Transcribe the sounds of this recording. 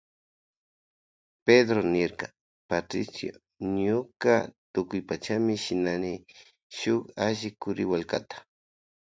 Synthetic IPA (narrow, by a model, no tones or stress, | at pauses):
ped̪ɾonɪɾka | pat̪ɾɪ̰sjo̰ | ɲʊka̰t̪ʊkʊjpat͡ʃamɪʃɪnanɪ | ʃʊkaʒɪkʊɾɪwalka̰t̪ḁ